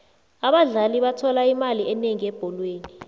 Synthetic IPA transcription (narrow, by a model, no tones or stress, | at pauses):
aɓaɮaliɓatʰɔlaimaliɛneŋiɛb̥ʱɔlweːni